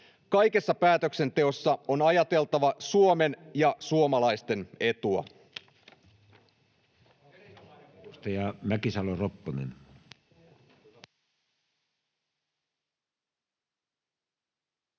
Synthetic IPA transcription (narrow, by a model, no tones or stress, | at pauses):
kɑjke̞sːɑpæːt̪ø̞kse̞nt̪e̞o̞sːɑonɑjɑt̪e̞lt̪ɑʋɑsuome̞njɑsuomɑlɑjst̪e̞ne̞t̪uɑ̰ | st̪ɑjɑmækisɑloropːonḛn